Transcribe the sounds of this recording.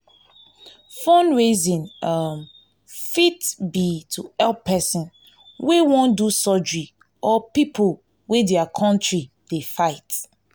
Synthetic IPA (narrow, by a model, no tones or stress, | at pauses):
fɔ̃nɹezĩnam | fitbitʰuɛlpʰːɛsĩn | wewɔ̃ndusɔd͡ʒɹi | ʔɔpipʰol | wedjakʰɔ̃ntɹi | d̥efaɪt